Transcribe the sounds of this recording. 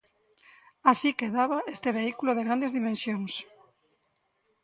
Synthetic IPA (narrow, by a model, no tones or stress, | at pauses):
asikeðaβaest̪eβeikuloðeɣɾand̪ezðimẽnsjoŋs